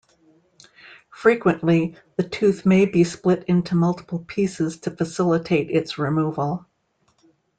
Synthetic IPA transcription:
fɹikwɨ̃nʔliðɨtʰʉθmeɪbisplɪɾɪ̃ntʰumʌlˠtʰə̥pl̩ˠpʰisɨz̥tʰɨfɨsɪlˠətʰeɪɾɪtsɹɨmuvəl̩ˠ

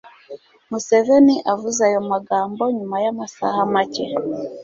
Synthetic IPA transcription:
museveniʔavuzajomaɡaːmboɲumajamasa̰hamace

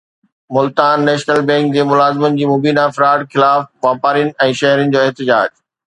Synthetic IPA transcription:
mʊlt̪aːnːɛːʃnəlbɛ̃ːŋk̚d͡ʑeːmʊlaːzɪmənɪ̆d͡ʑiːmoːbiːnafɪɾaːʈxɪlaːfʋaːpaːɾijʊnɪ̆ɛ̃ːʃɐɦɾənɪ̆d͡ʑoːɪɦt̪ɪd͡ʑaːd͡ʑ

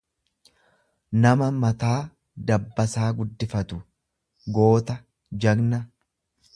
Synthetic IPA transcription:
nɐmɐmɐt̪aː | d̪ɐbːɐsaːɡʊd̪ːɪfɐt̪ʊ | ɡo̞ːt̪ɐ | d͡ʒɐɡnɐ

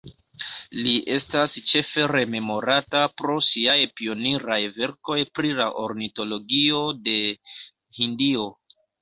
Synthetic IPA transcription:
liʔe̞stast͡ʃe̞fe̞ɾe̞me̞mo̞ɾatapɾo̞siajpio̞niɾajve̞ɾko̞jpɾilaʔo̞ɾnito̞lo̞ɡio̞de̞ | hindio̞

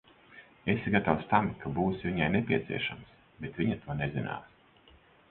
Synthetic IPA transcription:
esɡat̪awst̪amkabuːsviɲajnepʲiɛt̪sḭɛʃams | bet̪vʲiɲat̪uɔnezina̰ːs

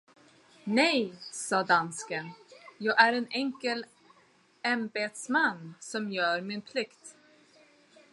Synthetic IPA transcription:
nɛjsɑːd̪anskənjɑːɡæɾɛnɛŋkəl | ɛmbeːt̪smanːsɔmjœːɾmɪnpʰlɪkt̪

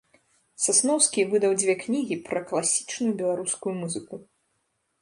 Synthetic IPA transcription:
sasnɔwskʲivɨd̪ɐwd͡zʲvʲɛknʲiɣʲipɾɐklˠasʲi̥t͡ʂnujubʲɛlˠaɾuskujumuzɨku

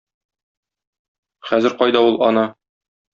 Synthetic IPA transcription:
χæzɘ̆ɾqɒjd̪ɑulˠɒnɑ

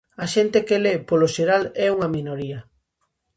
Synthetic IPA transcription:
ɐʃɛnt̪ekelepoloʃeɾalɛuŋɐminoɾiɐ

